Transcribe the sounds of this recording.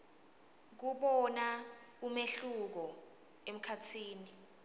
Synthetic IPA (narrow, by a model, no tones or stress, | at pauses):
k̬uɓɔna | umeɬuk̬ɔ | em̩kʰatʰiːni